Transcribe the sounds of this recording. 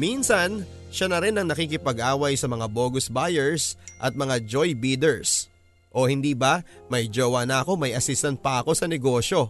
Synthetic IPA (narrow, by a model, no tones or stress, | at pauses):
minsɐnʃanɐɾɪnɐŋnɐkiːk̬ɪpɐɡʔaːwɐjsɐmɐŋabo̞ːɡʊsbajɛɹsʔɐt̪̚mɐŋad͡ʒojbiːd̪ɛɹs | ʔo̞hɪnd̪iːbɐmɐjd͡ʒowɐnɐʔɐko̞mɐjɐsist̪ɐn̚pɐʔɐko̞sɐnɛɡo̞ʃo̞